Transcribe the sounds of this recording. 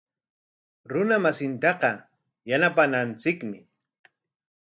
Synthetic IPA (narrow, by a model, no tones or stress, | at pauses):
ɾʊnamasɪnt̪ɑqɑ | janapanant͡sɪkmɪ